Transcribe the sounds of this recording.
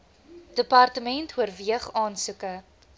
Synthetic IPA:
d̥əpɑrtəmɛntɦuərviəχɑːnsukə

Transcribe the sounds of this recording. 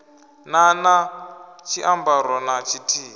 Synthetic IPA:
nanat͡ʃʰiʔambaɾɔnat͡ʃʰitʰiː

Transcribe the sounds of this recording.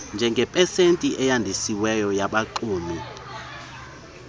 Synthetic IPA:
nd͡ʒʱɛŋɡʱɛpʼɛsentʼiʔɛjandʱisiwɛjɔjaɓaǃuːmi

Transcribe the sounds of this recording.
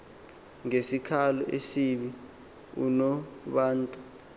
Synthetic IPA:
ŋesikʰalɔ̰ʔesiɓi | ṵnɔɓaːntʼu

